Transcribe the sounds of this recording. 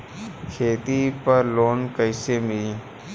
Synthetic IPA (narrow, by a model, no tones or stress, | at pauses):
kʰeːt̪ipɐɾloːnkəjsemiː